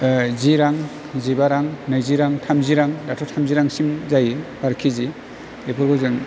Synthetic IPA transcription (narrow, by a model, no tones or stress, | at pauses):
ziɾaŋ | zibaɾaŋnɯjziɾaŋtʰamziɾaŋdatʰɔtʰamziɾaŋsimzajbaɾkʰizi | lepʰɯɾkɔzɯŋ